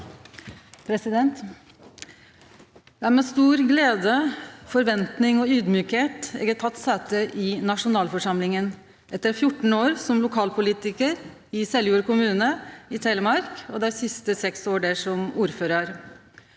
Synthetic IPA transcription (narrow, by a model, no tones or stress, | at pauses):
pʰɾɛsɪd̪ɛnt̪ | d̪ɛæɾmɛst̪uːɾɡleːd̪əfɔɾʋɛnt̪nɪŋɔyːd̪myːkheːt̪ɛ̰ɡət̪ʰɑt̪ːsæːt̪əʔɪnɑʂʊnɑːlfɔʂɑmlɪŋən | ʔɛt̪ːəɾfjʊʈːɳ̩oːɾsɔmlʊkʰɑːlpʰʊliːt̪ɪkəɾ | ɪsɛljuːɾəkʰʊmʉːnəɪt̪ʰeːləmɑɾkɔd̪ɛæsɪst̪əsɛksoːɖeʂɔmuːɾføːɾəɾ